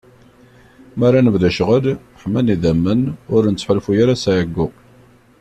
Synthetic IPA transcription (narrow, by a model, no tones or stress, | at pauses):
marˤanəvðæʃʁəl | ħmæniðæmːənʊɾnət͡sːħəlfujaɾasaʕəɡːʊ